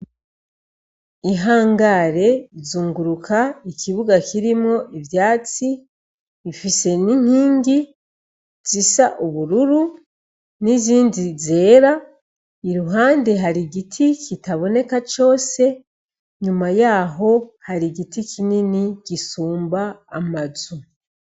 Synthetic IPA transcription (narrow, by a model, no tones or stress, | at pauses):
iɦaːŋɡaɾe̞izuːŋɡuɾukʰaikʰiβuɡakiɾimŋo̞ʔivjaːt͡siː | fise̞niɲ̥hiːŋɡi | z̥isaʔuβuɾuɾu | niziːndize̞ːɾa | iɾuɦaːnde̞ɦaɾiɡitʰikitaβo̞ne̞kat͡ʃo̞ːse̞ | ɲumajaːɦo̞haɾiɡitikʰininiɟisuːmbaːmazu